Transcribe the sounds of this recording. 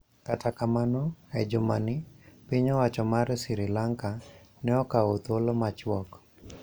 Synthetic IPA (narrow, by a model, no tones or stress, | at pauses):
katakamanoɛd͡ʒʊmanɪpiɲɔwat͡ʃɔmarsɪɾɪlaŋkanɛɔkaot̪olomat͡ʃwɔk